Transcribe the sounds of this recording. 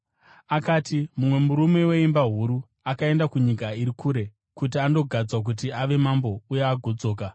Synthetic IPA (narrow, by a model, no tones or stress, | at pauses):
akaːtimumwe̞muɾume̞we̞imbaɦuɾu | akae̞ndakuɲikaiɾikʰuːɾe̞ | kut̬iando̞ɡʱad͡zwak̬ut̬iaʋe̞mambo̞ujeaɡʱod͡zo̞ːk̬a